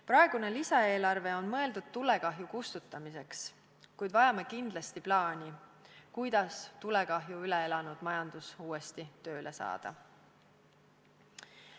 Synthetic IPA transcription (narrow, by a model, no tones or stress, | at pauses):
pɾɑe̞ɡ̥une̞lisɑe̞ːlɑrve̞o̞nmɤ̞e̞ld̪ud̪̥̚t̪ːule̞kɑɦjukust̪ut̪ːˑɑmise̞ks | kujd̪vɑjɑmekind̪lɑst̪iplɑːnʲikujd̪̥ɑst̪ule̞kɑɦjuyle̞elɑnud̪̥mɑjɑnd̪̥usuːest̪it̪ø̞ːlʔesɑ̰ːd̪̥ɑ̰